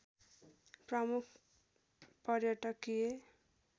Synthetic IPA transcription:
prʌmukʰ | pʌrjʌʈʌkːije

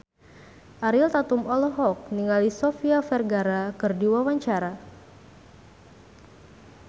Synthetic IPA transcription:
ʔaɾilt̪at̪umɔlɔɦɔk̚niŋalisofiafɛrɡaɾakɨrdiwawaɲt͡ʃaɾa

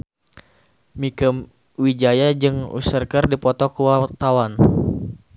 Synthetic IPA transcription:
mikəm | wid͡ʒajad͡ʒɨŋṵsərkərdipɔt̪ɔkuwat̪awan

